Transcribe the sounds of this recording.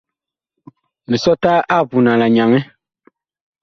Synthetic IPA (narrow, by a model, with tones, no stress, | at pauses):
mĩ˨sɔ˦ta˦ʔa˦˨vu˨nã˨la˨ɲã˨ŋɛ˦